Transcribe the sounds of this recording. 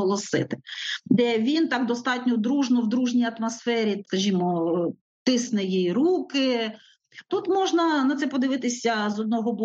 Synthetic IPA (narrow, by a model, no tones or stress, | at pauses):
ɔlˠɔsɪ̰t̪ɪ̥d̪ɛʋʲint̪ɑkd̪ɔst̪ɑtʲnʲɔd̪ɾuʒnɔwd̪ɾuʒnʲijɐt̪mɐsfɛɾʲikɐʒʲimɔ | t̪ɪsnɛjijɾukɪ | t̪ut̪mɔʒnɐnɐt̪sɛpɔd̪ɪʋɪt̪ɪsʲɐzɔd̪̚nɔɦɔbɔ